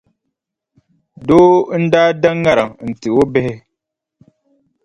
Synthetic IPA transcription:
doː˦n̩˦daː˦da˦ŋːa˦ɾa˨ŋn̩˨tɨ˨o˦bɪ˦hɪ˦

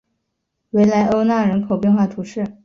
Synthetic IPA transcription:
we˧˥ɪla˧˥ɪʔo˥ʊna˥˩ɻə˧˥nkʰo˨˩ʊpjɛ˥˧nxwa˥˩t̪ʰu˧˥ʂɻ̩˥˩

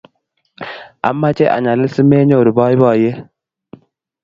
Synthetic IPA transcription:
a̰˨mːa˦t͡ʃe˦ʔa̰˨ɲa˨lɪ˦si˦me˦ɲo˨ɾu˨bɔ˦i˦bɔ˨je˦

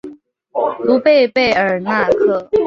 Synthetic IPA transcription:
lu˧˥pe˥˧ɪpe˥˩ɪə˞˨˩na˥˧kʰɤ˥˩

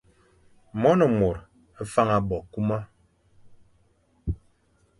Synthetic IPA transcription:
mɔ˦nɔ˨mo˨ɾ | a˦fa˦ŋa˨bɔ˨ku˦ma˦

